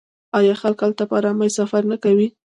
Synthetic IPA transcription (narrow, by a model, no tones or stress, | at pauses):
ɑjɑxalkalt̪apɑɾɑmajsafaɾnakawi